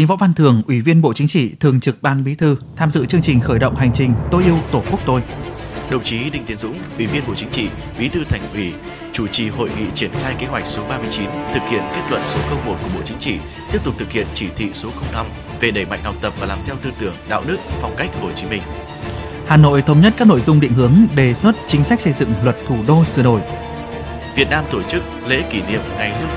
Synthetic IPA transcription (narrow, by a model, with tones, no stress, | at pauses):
i˨˦ŋvɔ̰˧˥wva˧nt̪ʰɨ˨˩əŋʔwi˧˩vi˧ənɓo̰˧˨t͡ɕï˨˦ŋ̟t͡ɕḭ˧˨t̪ʰɨ˨˩əŋt͡ɕɨ˨˩k̚ɓaː˧nɓi˨˦t̪ʰɨ˧t̪ʰaː˧mzɨ̰˧˨t͡ɕɨ˧əŋt͡ɕï˨˩ŋ̟xəː˧˩jɗə̰˧˨wŋ͡mha˨˩jŋ̟t͡ɕï˨˩ŋ̟t̪o˧jʔi˧əwt̪o˧˩ku˦˥k̚t̪o˧jɗə˧˩ŋ͡mt͡ɕi˨˦ɗï˧ŋ̟t̪i˨˦ənzʊ̰˧˥ŋ͡mʔwi˧˩vi˧ənɓo̰˧˨t͡ɕi˨˦ŋ̟t͡ɕḭ˧˨ | ɓi˨˦t̪ʰɨ˧t̪ʰa˨˩jŋʔwi˧˩ | t͡ɕu˧˩t͡ɕi˨˩ho̰˧˨jŋḭ˧˨t͡ɕi˧˩ənxaː˧jke˨˦ɦwa˨˩jk̟̚so˨˦ɓaː˧mɨ˧əjt͡ɕi˨˦nt̪ʰɨ˨˩k̚hi˧˨ənke˦˥t̚lwə̰˧˨nso˨˦xə˧wŋ͡mmo˨˩ku˧˩əɓo̰˧˨t͡ɕi˨˦ŋt͡ɕḭ˧˨ | t̪i˦˥əp̚t̪ʊ˨˩k͡p̚t̪ɨ˨˩khḭ˧˨ənt͡ɕi˧˩t̪ʰḭ˧˨so˨˦xə˧wŋ͡mna˧m | ve˨˩ɗə˧˩jma̰˧˨jŋ̟hɔ˨˩wk͡p̚t̪ə˨˩p̚vaː˨˩laː˨˩mt̪ʰɛ˧wt̪ɨ˧t̪ɨ˧˩əŋɗa̰ː˧˨wɗɨ˦˥ək̚fɔ˨˩wŋ͡mka˦˥jk̚ho˨˩t͡ɕi˨˦mï˧ŋ̟ | haː˨˩no̰˧˨jt̪ʰə˨˦wŋ͡mɲə˦˥t̚kaː˥k̚no̰˧˨jzʊ˧ŋ͡mɗḭ˧˨ŋ̟hɨ˨˦əŋɗe˨˩swə˦˥t̚t͡ɕï˨˦ŋ̟sa˦˥k̚sə˧jzɨ̰˧˨ŋlwə˨˩t̚t̪ʰu˧˩ɗo˧sɨ̰˧˩˨no̰˧˩˨j | vi˨˩ət̚naː˧mt̪o˧˩t͡ɕɨ˦˥k̚lḛ˧˥ki˧˩nḭ˧˨əmŋa˨˩jnɨ˦˥ək